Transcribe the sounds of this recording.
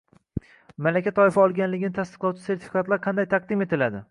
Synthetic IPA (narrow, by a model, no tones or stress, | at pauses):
malakʲʰat̪ʰɒɪfaɒlˠɡʲanlɪɡʲɪnɪt̪ʰast̪ɨ̥qlˠɒwt͡ʃʰɪ̥se̞ɾt̪ʰɪ̥fikat̪laɾqʰɑnd̪ajt̪ʰɑq̚d̪ɪme̞t̪ʰɪlad̪ɪ